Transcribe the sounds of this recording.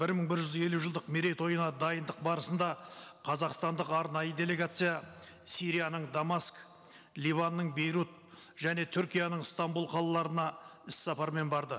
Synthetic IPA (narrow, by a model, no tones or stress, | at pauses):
b̥ɪɾməɴbɪɾʒʏze̞luʒəlˠd̪əqmeɾejt̪wo̞jənɑd̪ɑjənd̪əq̚bɑɾəsənd̪ɑqʰɑzɑqst̪ɑnd̪əqɑɾnɑjəd̪e̞le̞ɡat̪sɨja | siɾijanəɴd̪amask | lʲivanːəɴbe̞jɾut̪̚ | ʒ̥æne̞t̪ʰʏɾkʲijanəɴst̪ɑmbulˠqʰɑlˠɑlˠɑɾənɑɪsːɑpɑɾme̞nbɑɾd̪ə